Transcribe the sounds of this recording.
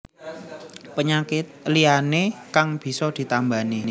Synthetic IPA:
pəɲakɪt̪̚lianekaŋb̥i̤sɔd̪̥i̤t̪amba̤ni

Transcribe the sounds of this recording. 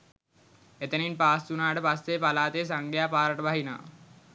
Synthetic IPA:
et̪əninpaːst̪unaːʈəpɐst̪eːpɐlaːt̪eːs̬ɐŋɡʱjaːpaːɾəʈʋaɦina̰ː

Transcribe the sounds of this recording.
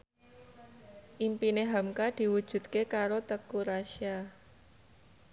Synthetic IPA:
ʔimpineɦamkad̪̥i̤wud̥ʒ̥ṳd̪̚kekaɾot̪əkuɾaʃia

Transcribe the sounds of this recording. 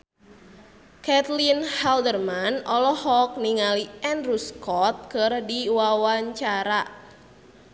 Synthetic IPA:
kɛt̪linhɛldərmanɔlɔhɔk̚niŋaliʔɛnruskɔt̪̚kɨrdiwawaɲt͡ʃaɾa

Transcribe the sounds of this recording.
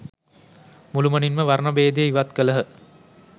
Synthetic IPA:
mulumɐninməʋaɾɳɐbeːd̪ejəiʋat̪kələɦə

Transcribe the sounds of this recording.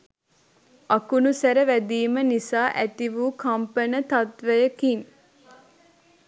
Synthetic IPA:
akunusæɾəʋæd̪iːmənisaːʔæt̪iʋuːkʰampənət̪at̪ʋəjəkin

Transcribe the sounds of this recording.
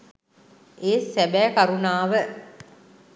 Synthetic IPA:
ʔeːsæbæːkaɾunaːʋə

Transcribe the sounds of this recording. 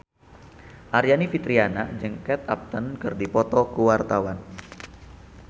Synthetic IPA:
ʔaɾjanifit̪ɾianad͡ʒəŋkɛt̪ap̚t̪ənkərdipɔt̪ɔkuwart̪awan

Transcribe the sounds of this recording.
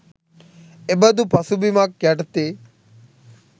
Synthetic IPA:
ebəd̪upʰɐsubimak̚ːɛʈt̪e

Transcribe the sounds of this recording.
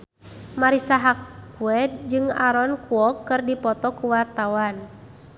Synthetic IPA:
maɾisaɦakuɛd̚d͡ʒɨŋaɾɔnkuɔkːɨrdipɔt̪ɔkuwart̪awan

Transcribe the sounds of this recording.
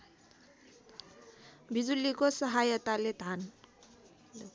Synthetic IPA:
bʱid͡zulikosəɦajət̪aled̪ʱan

